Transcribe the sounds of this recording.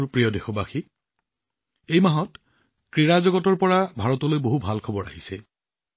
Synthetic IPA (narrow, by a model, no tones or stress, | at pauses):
ɹpɹijɔdexɔbaxi | ejmaɦɔt | kɹiɹazɔɡɔtɔɹpɔɹabʱaɹɔtɔlojboɦubʱalkʰɔbɔɹa̰ɦisɛ